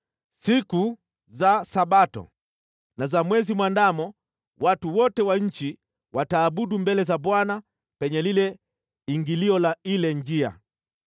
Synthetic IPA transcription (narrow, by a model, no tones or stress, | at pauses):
siku | zasaɓatɔ̰ | nazamwɛzimwandamɔ | watuwɔtɛwaɲ̩t͡ʃi | wʔataːɓuɗumbɛlɛzaɓwana | pɛɲɛlilɛ | iŋɡiliɔlailɛɲd͡ʒia̰